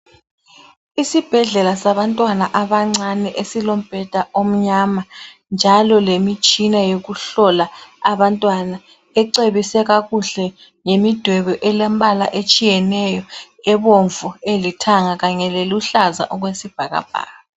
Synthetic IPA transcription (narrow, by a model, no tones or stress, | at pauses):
isib̥ʱɛɮɛlasaβantʼwanaʔaβaŋ͡ǀanɛʔesilom̩b̥ʱɛd̥ʱaʔom̩ɲama | nd͡ʒʱalɔlemit͡ʃʼinajoɣuɬɔlaaβantʼwana | ɛǀeβisɛɣaɣuɬɛ | ŋemid̥ʱwɛβɛʔɛlɛmbʱʼalaʔet͡ʃʼijɛnɛjɔ | ɛβoɱvuelitʰaŋaɣaɲɛleluɬaza̰ʔɔɣwesib̥ʱaɣa̰b̥ʱa̰ːɣa